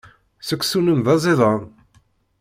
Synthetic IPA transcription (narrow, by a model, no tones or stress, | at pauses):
səkʷːsunəmðɑzˤiðˤɑ